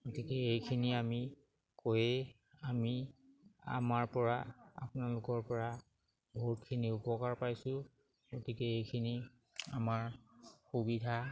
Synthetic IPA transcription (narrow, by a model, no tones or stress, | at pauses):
ɡotikɛejkʰiniami | kojɛ | ami | a̰maɹpɔɹaa̰pʊnalʊkɔɹpɔɹa | bʱoɦutkʰiniʊpɔkaɹpajsʊ̃ | ɡotikɛejkʰini | a̰maɹxubidʱa